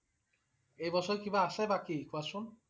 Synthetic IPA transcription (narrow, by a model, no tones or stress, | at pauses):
ejbɔsʰɔɾekibaaʃajbakikuasun